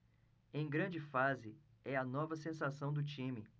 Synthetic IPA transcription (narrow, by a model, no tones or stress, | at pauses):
ẽj̃ɡɾɐ̃d͡ʒɪfazɪ | ɛɐnɔvɐsẽsasɐ̃w̃d̪ʊt͡ʃĩmɪ